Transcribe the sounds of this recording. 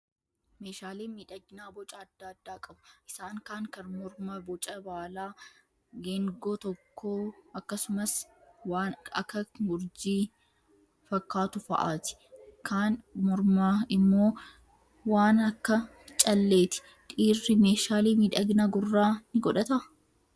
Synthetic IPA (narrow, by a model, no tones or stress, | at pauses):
meːʃaːliːmiːᶑɐɡnaːbɔt͡ʃʼɐɐd̪ːaːd̪ːaːkʼɐbʊʔɪsaːŋkaːŋkɐnmɔɾmɐbɔt͡ʃʼɐbaːlaː | ɡeŋɡoːt̪ɔkːoːɐkːɐsʊmɐswaːnɐkːɐmʊɾd͡ʒiː | fɐkːaːt̪ʊfɐ̰ʔaːt̪ɪ̥kaːnmɔɾmaːɪmːo̞ː | waːnɐkːɐ | t͡ʃʼɐlːe̞ːt̪ɪ̥ | ᶑ̪ʼiːrːɪme̞ːʃaːliːmiːᶑɐɡnaɡʊrːaːnɪɡɔᶑɐt̪ɐʔɐ